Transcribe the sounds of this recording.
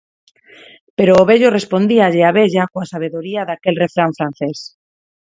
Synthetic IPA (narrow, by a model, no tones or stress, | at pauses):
peɾoːβeʎorespond̪iaʎeaβeʎakoasaβ̞eðoɾiaðakelrefɾaɱfɾan̟θes